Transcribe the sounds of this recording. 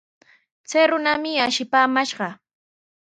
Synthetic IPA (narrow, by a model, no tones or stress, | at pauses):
t͡sajɾʊnamɪaʃɪpaːmaʃɢɑ